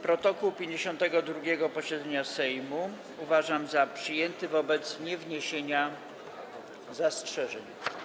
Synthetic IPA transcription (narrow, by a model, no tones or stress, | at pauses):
pɾɔt̪ɔkuwpʲjeɲd͡ʑeɕɔ̃nt̪ɛɡɔd̪ɾuɡʲɛɡɔpɔɕɛd̪zɛɲasɛjmu | uvaʐamzapʂɘjɛnt̪ɘvɔbɛt̪sɲɛvɲeɕeɲa | zastʂɛʐɛɲ